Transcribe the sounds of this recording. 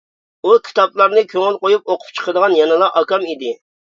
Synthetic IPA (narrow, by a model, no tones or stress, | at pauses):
ukʲʰi̥t̪ʰɑplˠɑɾnɨkʲʰøŋɪlˠqojup̚oqʰʊ̥p̚t͡ʃʰə̥qʰəd̪əʁɑnjɑnɨlˠɑʔɑkɑmid̪ɪ